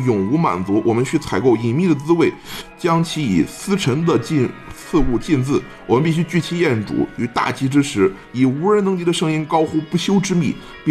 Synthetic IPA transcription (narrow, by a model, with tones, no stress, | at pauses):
jʊ˨˩ŋu˧˥ma̰˨˩nt͡su˧˥wʔɔ˨˩mə˦nt͡ɕʰy˥˩t͡sʰa˨˩ɪko˥˩ʊi˨˩mi˥˩d̪ə˩t͡sɹ̩˥we˥˩ɪt͡ɕjɑ˥ŋt͡ɕʰi˧˥ḭ˨˩sɹ̩˥ʈ͡ʂʰə˧˥ŋd̪ə˨t͡ɕnt͡sʰɹ̩˥˧u˥˧t͡ɕi˥˧nt͡sɹ̩˥˩ | wɔ˨˩mə˦npi˥˩ɕ̬y˥t͡ɕy˥˩t͡ɕʰi˧˥jɛ˥˩nʈ͡ʂṵ˨˩˦y˨˩t̪a̰˥˩t͡ɕi˧˥ʈ͡ʂɻ̩˥ʂɻ̩˧˥ | i˨˩u˧˥ɻə˧˥nt̪ɤ˧˥ŋt͡ɕi˧˥d̪ə˨˧ʂɤ˥˧ŋi˥nkɑ˥ʊxu˥˧pu˥˩ɕjo˥ʊʈ͡ʂɻ̩˥mi˥˩ | p